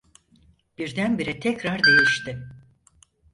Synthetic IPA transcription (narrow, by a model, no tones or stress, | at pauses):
b̥iɾd̪ænbiɾɛt̪ʰɛcɾaɾd̪e̞jiʃt̪ɪ